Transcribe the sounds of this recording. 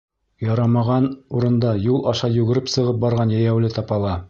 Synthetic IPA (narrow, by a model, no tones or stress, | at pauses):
jɑɾɑmɑʁɑnuɾɤ̆nd̪ɑjulˠʔɑʃɑjʉɡɘ̆ɾɘpsɤ̆ʁɤp̚bɑɾʁɑnjæjæwlɘt̪ɑpɑlˠɑ